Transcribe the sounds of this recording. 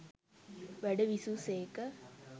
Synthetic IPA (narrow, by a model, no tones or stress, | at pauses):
ʋæɖəʋisuseːkə